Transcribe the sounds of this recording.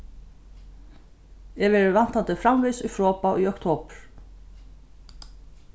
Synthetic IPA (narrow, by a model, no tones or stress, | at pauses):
ɛvɛɾɪvan̥t̪ant̪ɪfɾamvisʏjfɾɔːpaʔʏjɔwkt̪ʰoːpɾ̥